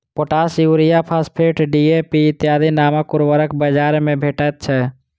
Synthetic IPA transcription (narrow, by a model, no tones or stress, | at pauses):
poʈasjuɾijapʰaspʰeʈɖiepiɪt̪jad̪inaməkuɾʋəɾəkbəd͡ʒaɾmẽbʱeʈɛt̪̚t͡ʃʰɛ